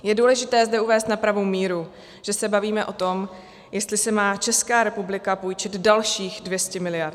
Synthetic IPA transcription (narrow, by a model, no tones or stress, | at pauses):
jɛduːlɛʒɪt̪ɛːzdɛuvɛːst̪napɾavowmiːɾu | ʒ̥ɛsɛbaviːmɛʔo̞t̪o̞m | jɛst̪lɪsɛmaːt͡ʃɛskaːɾɛpublɪkapojt͡ʃɛd̪dalʃiːxdvjɛscɛmɪlɪjaɾt̪